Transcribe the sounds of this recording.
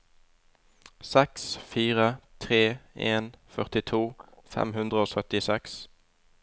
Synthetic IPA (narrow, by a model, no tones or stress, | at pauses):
sɛksfiːʁət̪ʰʁeːeːnfœʁt̪ɪt̪ʰuːfɛ̰mhʉnd̪ʁəoːsœt̪ɪsɛks